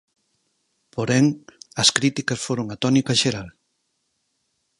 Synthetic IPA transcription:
poɾɛŋɐskɾit̪ikɐsfoɾoŋɐt̪ɔnikɐʃeɾal

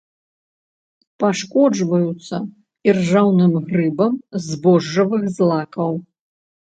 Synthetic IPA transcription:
paʂkɔd͡ʒvɐjut̪sɐ | irʐawnɨmɣrɨbɐmzbɔʐːɐvɨxzlˠakɐw

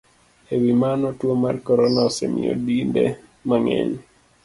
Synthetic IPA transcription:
ewimanɔtwomarkɔɾɔnaosemḭo̰dindɛ̰ | maŋɛ̰ɲ

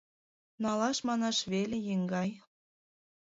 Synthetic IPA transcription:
nɑlɑʃmɑnɑʃβelejiŋɡɑj

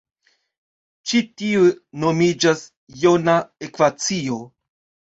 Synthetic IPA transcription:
t͡ʃitiuno̞mid͡ʒas | jonaekvat͡sio

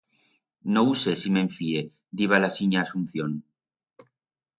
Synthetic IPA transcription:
nousesimeɱfie | d̪iβalasiɲaːsun̟θjon

